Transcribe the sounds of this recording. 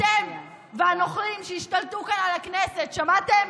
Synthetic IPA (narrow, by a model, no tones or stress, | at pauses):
em | veanoχlimʃehiʃtaltukanalakneset̪ʃamat̪em